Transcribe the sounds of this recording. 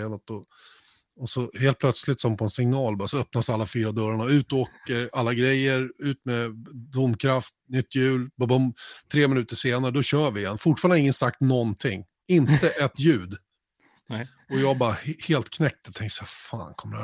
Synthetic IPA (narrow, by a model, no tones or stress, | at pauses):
nɔt̪ɔ | ɔsɔheːlt̪̚pʰlœt̪slɪt̪sɔmpʰɔɛnsɪŋnɑːlbɑɾasɔœpnasalːafyːɾad̪œɾaɳaʉ̟ːt̪ɔoːkəɾalːaɡɾɛjːəɾʉ̟ːt̪mɛd̪ʊmːkʰɾaft̪nʏt̪ʰːjʉ̟ːlbɑbɔmt̪ʰɾeːmɪnʉ̟ːt̪əʂeːnaɾəd̪ɔɕœːvɪɪɛnfʊʈfɑːɾnɪŋːənsak̚t̪nɔnt̪ʰɪŋː | ɪnt̪əʔɛt̪ːjʉ̟ːd̪ | ɔjɑːɡbɑɾahheːlt̪kʰnɛk̚t̪ət̪ʰɛŋk̪saːfa̰ːnkʰɔməd̪hæ